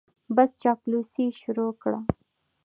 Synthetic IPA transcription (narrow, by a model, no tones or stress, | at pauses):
bɐst͡ʃaːkluːsiʃʊɾoːkɽaː